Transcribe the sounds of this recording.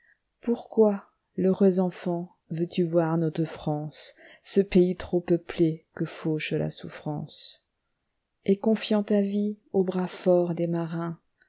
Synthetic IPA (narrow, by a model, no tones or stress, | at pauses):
puʁkwa | ləʁøzɑ̃fɑ̃ | vøt̪yvwaʁnɔt̪χəfχɑ̃sːəpeit̪χopəplekəfoʃəla̰sufχɑ̰̃s | ekɔ̃fjɑ̃t̪aviobʁafɔʁd̪emaʁɛ̃